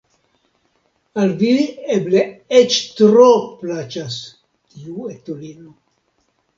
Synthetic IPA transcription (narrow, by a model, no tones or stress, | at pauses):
alviebleet͡ʃt̪ɾoplat͡ʃas | tiuet̪olino